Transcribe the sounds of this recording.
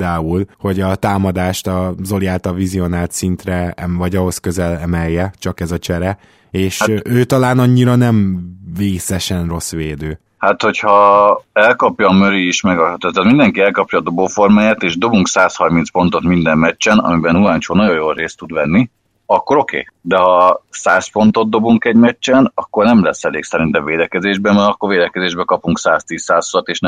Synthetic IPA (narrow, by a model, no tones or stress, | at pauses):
d̪aːulho̞ɟɒt̪aːmɒd̪aːʃt̪ɒzo̞lijaːlt̪ɒvizio̞naːlt̪sint̪rɛɛvɒɟɒɦo̞skø̞zɛlɛmɛjːɛt͡ʃɒkɛzɒt͡ʃɛɾɛ | eːʃaøːt̪ɒlaːnɒɲːiɾɒnɛɱveːsɛʃɛnro̞sʋeːd̪øː | hat̪ho̞chɒɛlkɒpjɒːmøɾiːʃmɛɡɒt̪ɛt̪ːat̪mind̪ɛŋkiɛlkɒpjɒːd̪o̞boːfo̞rmaːjaːt̪eːʒd̪o̞buŋksaːshɒrmintspo̞n̪t̪o̞t̪mind̪ɛmːɛt͡ʃt͡ʃːɛnɒ̰mibɛnulaːnt͡ʃoːnɒjo̞jolreːst̪ud̪ʋɛnːi | ɒkːo̞ɾo̞kḛːd̪ɛɦɒsaːsfo̞nt̪o̞t̪̚d̪o̞buŋkɛɟmɛt͡ʃːɛnɒkːo̞rnɛmlɛsːɛleːksɛɾint̪ɛɱveːd̪ɛkɛzeːʒbɛmɛɾɒkːorveːd̪ɛkɛzeːʒbɛkɒpuŋksaːst̪iːsːaːsulɒt̪eːʃnɛ